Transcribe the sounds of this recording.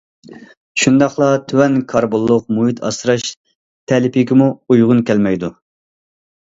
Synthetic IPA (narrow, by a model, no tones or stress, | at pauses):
ʃund̪ɑχlˠɑt̪ʰywɛnkʰɑɾbolˠːʊq̚muit̪ʰɑ̰sɾɑʃ | t̪ʰɛlɪpʰiɡʲimuujʁʊnkʲɛlmɛjd̪u